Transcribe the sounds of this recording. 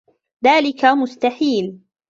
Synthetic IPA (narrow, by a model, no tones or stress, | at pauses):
ðaːlɪkamʊst̪aħiːl